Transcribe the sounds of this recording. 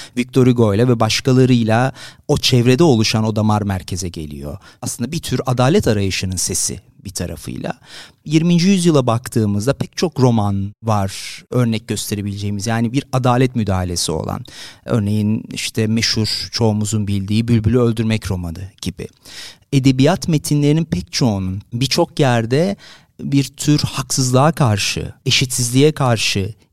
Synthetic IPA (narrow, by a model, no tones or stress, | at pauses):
vic̚t̪ʰo̞ɾiɡo̞jlʲˠavɛbaʃkʰalˠaɾɯjlˠao̞t͡ʃʰɛvɾe̞d̪ɛo̞lˠuʃano̞d̪amaɾmæɾcʰe̞zɛɟe̞̰lʲḭjo̞̰ | aslɯnd̪abit̪ʰyɾad̪aːlʲɛt̪ʰaɾajɯʃɯnɯnse̞sḭ | bit̪ʰaɾa̰fɯ̰jlˠa̰ | jiɾmind͡ʒijyzjɯlˠabakt̪ʰɯːmɯzd̪apʰɛc̚t͡ʃʰo̞kɾo̞manvaɾ̥ø̞ɾnɛc̚ɟø̞st̪ʰe̞ɾe̞bilʲed͡ʒe̞jimizjaːnibiɾad̪aːlʲɛt̪myd̪aːɦalʲe̞sio̞̰lˠa̰nø̞̰ɾne̞jinḭʃt̪ʰɛmeʃuɾt͡ʃʰo̞umuzunbilʲd̪iːbylʲbylʲyø̞lʲd̪yɾmɛcɾo̞manɯɟ̥ibḭ | e̞d̪e̞bijat̪me̞t̪ʰinlʲe̞ɾininpʰɛct͡ʃʰo̞ununbit͡ʃʰo̞kjæɾd̪ɛ | biɾt̪ʰyɾhaksɯzlˠaːakʰaɾʃɯ̰e̞ʃit̪sizlʲijɛkʰaɾʃɯ